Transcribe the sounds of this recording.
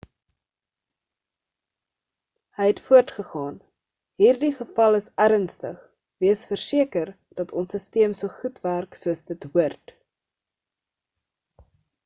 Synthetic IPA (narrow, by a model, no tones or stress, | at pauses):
həjɛtfuərtχəχɑːn | ɦiːrdiχəfɐləsæɾənstə̰χ | viəsfərsiəkər | d̥ɐtʰɔnsəstiəmsuəχutværksuəsdətɦuərt